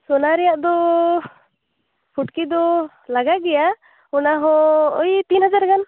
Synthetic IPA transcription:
sɔnaɾɛjaʔd̪ɔ | pʰuʈkid̪ɔ | laɡaɡɛja | ɔnaɦɔɔjt̪inɦad͡ʒaɾkan

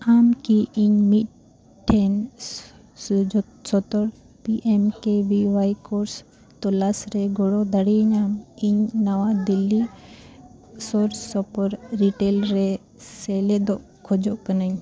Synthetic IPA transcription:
aːmkiʔiɲmiʈ̚ | ʈʰːen | sɔt̪ɔɾ | piʔemkebiʋajkoɾs | t̪olasɾeɡoɽod̪əɽiɲaːmiɲnɐʋad̪ilːi | soɾsɔpəɾɾiʈeːlɾe | seːled̪oʔ | kʰod͡ʒoʔkənaɲ

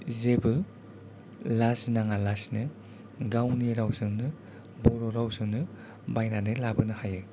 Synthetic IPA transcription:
zebɯ | lasnaŋalasnɯ | ɡawniɾawzɯŋnɯ | bɔɾɔɾawzɯŋnɯ | bajnanɯlabɯnɯhajɯ

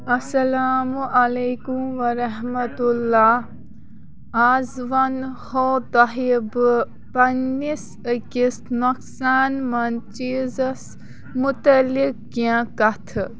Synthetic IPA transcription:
ɐsɐlaːmuʔɐleːkumʋɐɾɐɦmɐt̪ulːaː | aːzʋɐnhoːt̪ɐɦib | pɐnːis | əkisnoksaːnmɐnt͡ʃiːzɐs | mʊt̪ɐlik̚ːjãkɐt̪ʰ

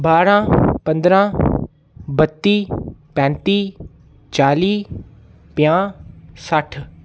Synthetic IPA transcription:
baːɾãːpə̃nd̪ɾãː | bət̪ːiːpɛ̃ːnt̪iː | t͡ʃaːliː | pjãːsəʈʰ

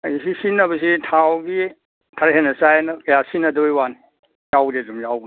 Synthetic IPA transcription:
ajsisinːɐbɐs̬itʰawɡi | tʰaɾɦenɐsajnɐkɐjasinɐdojwani | jawdedumjawɡ

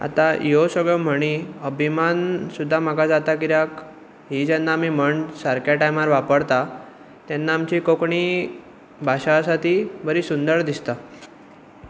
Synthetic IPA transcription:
a̰t̪ajosəɡɭɔm̤əɽ̃iəbʱimansud̪ʱːam̤akad͡zat̪akiɾjak | ɦid͡ʑɛnːaːmiːm̤əɳsaɾkjaʈajmaɾʋapəɽt̪a | t̪jɛnːaːmt͡ɕikokɳi | bʱaɕasat̪iːbəɾiːsund̪əɾd̪ist̪a

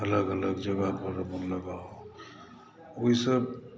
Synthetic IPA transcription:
ələɡələɡd͡ʒəɡapəɾmənləɡa | oisəb

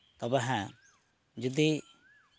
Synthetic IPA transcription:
t̪ɔbɛɦɛ̃ | d͡ʒɔd̪i

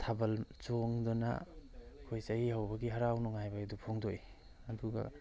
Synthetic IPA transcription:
tʰabɐlt͡ʃoŋdɔna̰kʰojsajihawbɐɡiɦaɾawnuŋajbaedupʰoŋdoj | ɐduɡɐ̰

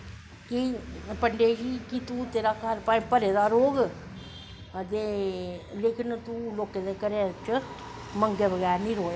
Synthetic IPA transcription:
kipəɳɖeːd͡ʒiːkit̪uːt̪eːɾaːkʰəɾpaːpəɾeːd̪aːɾoːɡ | t̪eːleːkɪnt̪uːloːkẽːd̪eːkəɾet͡ʃ | məŋɡeːbəɡɛːɾnĩːɾoːe

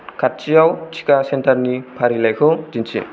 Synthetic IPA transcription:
kʰat̚t͡ʃijawt͡ʃʰi̥kasɛntaɾnipʰaɾilajkʰɔzinsʰḭ

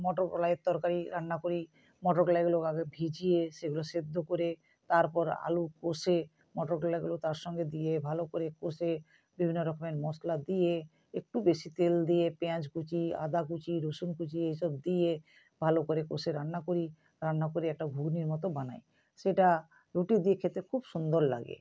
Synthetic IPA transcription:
mɔʈoɾklajet̪ːɔɾkaɾiɾanːakoɾi | mɔʈɔɾkɔlajɡuloaɡebʱid͡ʑieseɡulosed̪ʱːokoɾe | t̪aɾpɔɾa̰lukose | mɔʈɔɾklajɡulot̪aɾʃɔŋɡed̪iebʱalokoɾekose | bibʱinːoɾɔkʰmeɳʈmɔslad̪ije | ek̚ʈubeʃit̪eld̪ijepɛ̃t͡ʃkut͡ɕia̰d̪ʱak̬ut͡ɕiɾoʃunkut͡ɕiejʃɔbd̪ije | bʱalokoɾeko̰seɾanːakoɾi | ɾanːakoɾiɛk̚ʈaɡʱuɡniɾmɔt̪obanaj | ʃeʈa | ɾuʈid̪iekʰet̪ɾekʰubʃund̪oɾla̰ɡḛ

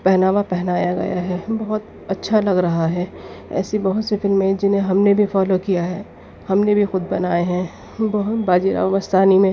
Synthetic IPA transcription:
pɛɦnaːʋapɛɦnaːjaɡɐ̰ja̰ɦɛːbɐɦʊt̪ | ɐtːʃʰalɐɡɾɐɦaɦɛːɛ̰ːsibɐɦʊt̪sefɪlmːẽd͡ʒɪnɦẽɦɐmnebʱifɔːlokijaɦɛː | hɐmnebʱixʊd̪bɐnaːeɦɛ̃ | bɐɦʊt̪baːd͡ʒiɾa̰ːʋamɐst̪aːnimẽ

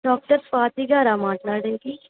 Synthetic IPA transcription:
ɖɔːk̚ʈəɾfaːt̪iɡaːɾamaːʈlaːɾɖəŋki

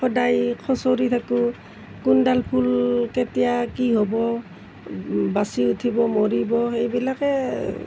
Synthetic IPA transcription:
xɔdajkʰɔsoɹitʰakʊ | kundalpʰulketijakiɦobɔ | basiutʰibɔmoɹibɔxejbilakɛ

